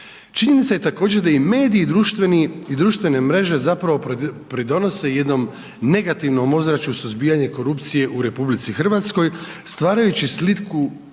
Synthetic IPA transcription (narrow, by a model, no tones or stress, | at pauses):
t͡ʃiɲenit̪saje̞t̪ako̞ːd͡ʑe̞ɾd̪aime̞ːd̪iːd̪ɾuʃt̪ʋeniid̪ɾuːʃt̪ʋe̞ne̞mɾe̞ʒe̞zapɾaʋo̞pɾid̪o̞no̞se̞je̞d̪no̞m | ne̞ɡat̪iʋno̞mo̞zɾat͡ɕusuzbiːjaɲe̞ko̞ɾupt̪sije̞ʔuɾe̞publit̪sixr̩ʋat̪sko̞jst̪ʋaːɾajut͡ɕislit̪ku